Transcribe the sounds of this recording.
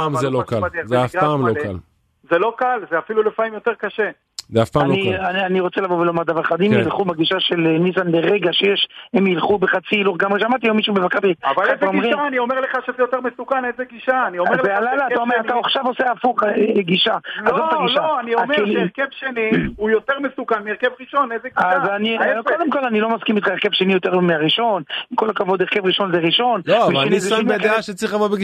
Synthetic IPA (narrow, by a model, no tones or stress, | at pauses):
amzelokaladizeafpaːmloka̰l | zelo̞kalzeafilulefaimjo̞t̪eʁkaʃe | zeafpaːmloiananiʁo̞t͡selavovelomaʁd̪avaʁeχad̪imjlχubaɡiʃaʃelenisanbeʁeɡaʃejeʃhemjilχubeχat͡siːluχɡamʁeʃamaʁt̪iomiʃubevakabitavalezeomʁiaːnio̞meʁleχaʃezejot̪eʁmesukanezeɡiʃaːnioealajlaːtaomeʁat̪aaχʃavo̞seafuχɡiʃaazot̪aɡiʃaaniaekeliʁkevʃeniujot̪eʁmesukanmieʁkevʁiʃonejzeɡiazanikod̪emko̞lanilo̞maskimit̪χaeʁkevʃenijo̞t̪eʁmeaʁiʃo̞nkolkavo̞d̪eʁke̞vʁiʃo̞nzeʁiʃo̞nloveʃenizʃmeeaʃet͡sʁiχamobeɡ